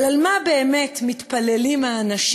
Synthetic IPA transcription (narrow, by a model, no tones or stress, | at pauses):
almabe̞eme̞tmitpale̞limaːnaʃ